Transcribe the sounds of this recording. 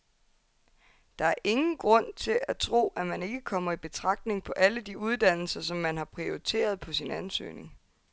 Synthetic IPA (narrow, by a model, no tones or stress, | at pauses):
d̥ɑ̈æɐʔe̝ŋn̩ɡ̥ʁɔ̽n̰t͡sʰe̝læt͡sʰʁo̝̰ːæmæne̝ɡ̥əkʰɒ̽m̰ɐib̥e̝t͡sʰʁɑ̈ɡ̥̚d̥ne̝ŋpʰɒ̽ʔæləd̥iuð̞ˠd̥æn̰l̩sɐsɒ̽mːænɦɑ̈pʰʁioʁit͡sʰe̝̰ːɐð̞ˠpʰɒ̽sinænsø̰ːne̝ŋ